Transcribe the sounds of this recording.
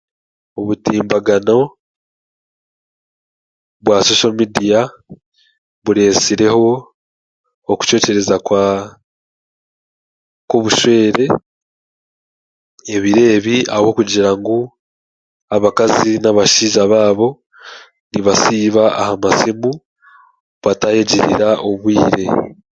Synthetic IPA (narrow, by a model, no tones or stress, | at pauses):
o̞βutiːmbaɡano̞ | βwaso̞ːʃalmidija | βuɾe̞siɾe̞ho̞ | ku̥t͡ʃo̞ːce̞ɾe̞zakwa | ko̞βuʃwe̞ːɾe̞ | eβiɾe̞ːβia̰wokuɟiɾaŋɡu | aβakazinaβaʃiːʒaβaːβo̞ | niβasiːβaahamasimu | βatajeɟiɾḭɾaʔoβwḭːɾe̞̰